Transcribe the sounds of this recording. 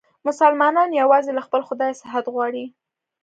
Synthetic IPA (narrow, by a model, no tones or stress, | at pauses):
mʊsalmɑnɑnjawɑzelaxpəlxʊd̪ɑjsɪɦat̪ɣwɑɽi